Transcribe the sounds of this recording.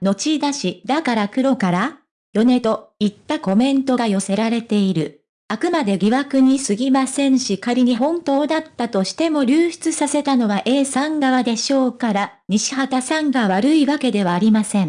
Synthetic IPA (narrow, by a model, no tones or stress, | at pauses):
no̞t͡ɕid̪aɕid̪akaɾakɯ̟ɾo̞kaɾa | jo̞ne̞t̪o̞it̪ːako̞mẽ̞nt̪o̞ɡajo̞se̞ɾaɾe̞t̪e̞iɾɯ̟ | akɯ̟mad̪e̞ɡʲiβakɯ̟ɲ̟isɨɡʲimasẽ̞ɰ̃ɕikaɾʲiɲ̟iɦõ̞nt̪o̞ːd̪at̪ːat̪o̞ɕi̥t̪e̞mo̞ɾʲɨːɕi̥t͡sɨsase̞t̪ano̞βaʔe̞ːsãŋɡaβad̪e̞ɕo̞ːkaɾaɲ̟iɕi̥ɦat̪asãŋɡaβaɾɯ̟iβake̞d̪e̞βaːɾʲimasẽ̞ŋ